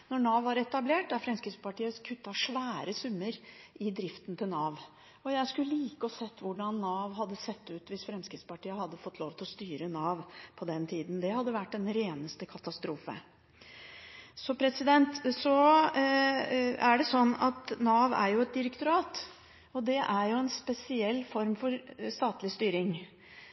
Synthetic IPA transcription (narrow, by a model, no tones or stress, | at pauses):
nɔɳɑːʋɑɾɛt̪ɑbleːʈdæɾfɾɛmskɾɪt̪spɑʈiːəkʰʉt̪ːɑʂʋæːɾəsʉmːəɾʔɪd̪ɾɪft̪nt̪ʰɪlnɑːʋ | ɔjæɪskʉləliːkəɔsɛt̪ːʋʊɖɑnːɑːʋɦɑd̪ːəsɛt̪ːʉːt̪ʋɪsfɾɛmskɾɪt̪spɑʈiːəhɑd̪ːəfɔt̪ːloːʋt̪ɪlɔst̪yːɾənɑːʋpʰɔd̪ɛnt̪ʰiːd̪n̩d̪ɛhɑd̪ːəʋæʈːɛnɾeːnəst̪əkʰɑt̪ɑst̪ɾuːfə̰ | sɔpʰɾɛsɪd̪ɛnt̪sɔ | æɖɛsɔnːɑt̪nɑːʋæ̰ɾjʊɛt̪̚d̪ɪɾəkt̪ʊɾɑːt̪ | ɔd̪ɛʔæɾjʊɛnspɛsɪɛlːfɔɾmfɔɾst̪ɑːt̪lɪst̪yːɾɪŋ